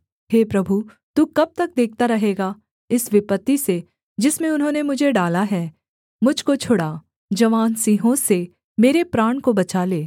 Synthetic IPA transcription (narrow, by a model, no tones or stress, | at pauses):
ɦeːpɾɐbʱu | t̪uːkɐb̚t̪ɐk̚d̪eːk̚ʰt̪aɾɐɦeːɡaː | ɪsʋɪpət̪ːise | d͡ʒɪsmẽʊnɦõːnemʊd͡ʒʱeɖaːlaɦɛː | mʊd͡ʒʱkot͡ʃʰʊɽa | d͡ʒɐʋaːnsiːɦõse | meːɾepɾaːɳ̃kobɐt͡ʃaleː